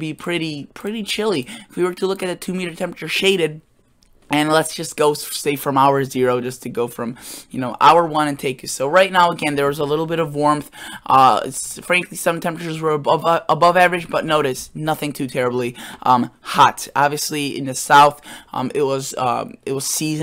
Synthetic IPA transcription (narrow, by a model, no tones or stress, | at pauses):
bipʰɹ̥ɪɾipʰɹ̥ɪɾit͡ʃʰɪlˠiɪfwiwə˞tʰəlʊkɨt̪̚ðɨtʰʉmiɾə˞tʰɛ̃pɹət͡ʃə˞ʃeɪɾɨd̚ | ɨ̃nlətsd̥ʒ̥ʌsɡ̥oʊseɪfɹʌ̃maʊə˞zɪɹoʊd͡ʒʌstʰɨɡoʊfɹʌ̃mjɨnoʊʔa̰ʊə˞wʌ̃ñɨ̃ntʰeɪk̚ɨsoʊɹaɪtⁿnaʊəɡɛ̃nðə˞wʌzəlɪɾl̩ˠbɪɾʌvwɔɹmθʔʌ̰fɹæ̃ŋklisʌ̃mtʰɛ̃mpɹɨt͡ʃə˞zwə˞bʌvəbʌvævɹɨd͡ʒbʌtⁿnoʊɾɨsnʌθɪ̃ŋtʰʉtʰɛɹɨbliʔʌ̃mhɑtɑbviɨsliɪ̰̃nðɨsaʊθʔʌ̰̃mɪt̚wʌzʌ̰ɪt̚wʌz̥sizɨ̃